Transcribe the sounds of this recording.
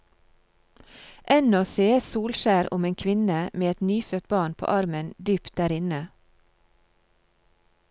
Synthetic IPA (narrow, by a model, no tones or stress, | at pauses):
ʔɛnɔseːsuːlʃæːɾʊ̰meːŋkʰʋɪnəmeːɛt̪nyːføːt̪̚bɑːɳpʰo̰ːʔɑɾmənd̪yːpt̪̚d̪æːɾɪnə